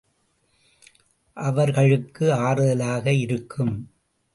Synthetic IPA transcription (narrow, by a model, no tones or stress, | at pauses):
ʔɐʋɐɾɣɐɭɯkːɯaːɾɯðɐlaːɣɐɪɾɯkʰːɯm